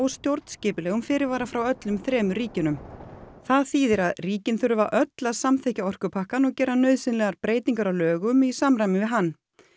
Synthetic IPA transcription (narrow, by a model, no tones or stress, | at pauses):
ɔɣst̪jowɾt̪nscɪːpɪlɛːɣʏmfɪːɾɪɾvaːɾafɾawœt̪lʏmθɾɛːmʏɾiːcɪnʏmθaðθiːðɪɾaðriːcɪnθʏɾʏvaʔœt̪laðsamθehcaɔr̥kʏpʰahkanɔɣcɛːɾanœɥðsɪnlɛɣaɾpɾeːjt̪iŋkaɾawlœːɣʏmisamɾajmɪnvɪðɦanː